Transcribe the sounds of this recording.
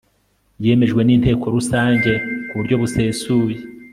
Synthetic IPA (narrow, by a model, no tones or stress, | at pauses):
je̞ːme̞ʒɡwe̞niːn̥te̞ːko̞ɾusaːɲɟe̞kuβuɾɟo̞βuse̞ːsuːje